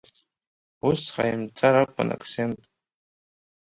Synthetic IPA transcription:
usχa̰jɪmt͡sʼaɾakʷʼa̰nʔa̰kʰʼsent̪ʼ

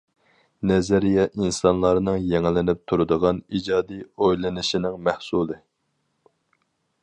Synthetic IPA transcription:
nɛzæɾijɛʔinsɑnlˠɑɾnɨŋjɛŋlɪnɪp̚t̪ʰuɾɨd̪əʁɑnid͡ʒɑːd̪ijojlˠɨnɨʃinɪŋmæhsulˠɨ

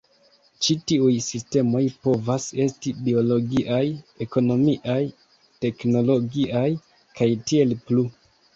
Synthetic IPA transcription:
t͡ʃitiujsiste̞mo̞jpo̞vase̞stibio̞lo̞ɡiʔaje̞ko̞no̞miʔaj | te̞kno̞lo̞ɡiʔaj | kajtie̞lplu

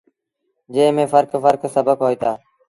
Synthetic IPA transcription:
d͡ʒeːmẽːfəɾkfəɾksəbʱəkɦoːiːt̪aː

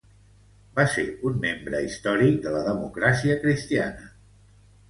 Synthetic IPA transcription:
baseunmembɾəist̪ɔɾik̚d̪ələðəmukɾasiəkɾist̪ianə

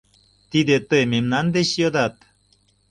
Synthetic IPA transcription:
t̪id̪et̪ememnand̪eɕjod̪at̪

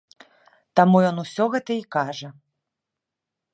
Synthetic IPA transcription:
t̪amujɔnusʲɔɣɛt̪ɐikaʐɐ

